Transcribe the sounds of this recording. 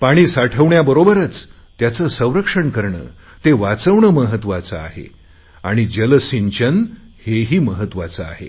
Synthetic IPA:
paɽ̃iːsaʈʰəʋɳjabəɾobəɾət͡s | t̪jat͡səsə̃w̃ɾəkʂəɳkəɾɳə̰ː | t̪eʋat͡səʋɳəməɦət̪ʋat͡saa̰ɦḛ | aɽ̃id͡ʑəlsiɲt͡ɕən | heɦiːməɦət̪ːʋat͡saa̰ɦḛ

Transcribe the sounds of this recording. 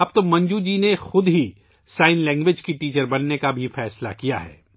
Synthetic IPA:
ɐb̚t̪omɐ̃ɲd͡ʒud͡ʒiːnexʊd̪ɦi | saːɪnlɛ̃ːŋɡʋɪd͡ʒkiʈiːt͡ʃəɾbɐnːekabʱifɛːsla̰kija̰ɦɛ̰ː

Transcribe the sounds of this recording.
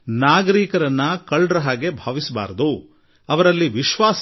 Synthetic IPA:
naːɡɐɾiːkɐɾɐnːɐkɐɭɖɾɐɦaːɡe̞bʱaːʋisɐba̰ːɾɐd̪u | ɐʋɐɾɐlːiʋiʃʋaːs

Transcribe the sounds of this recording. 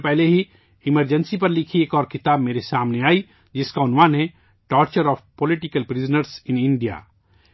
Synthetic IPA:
pɛɦleɦi | ɪməɾd͡ʒə̃nsip̬ɐɾlɪkʰieːkɔːɾkɪt̪aːbmeːɾesaːmneaːi | d͡ʒɪskaʊnʋaːnɦɛ | ʈɔːɾt͡ʃəɾɔːfpolɪʈɪkəlpɾɪznəɾsɪnɪ̃ɳɖija̰ː

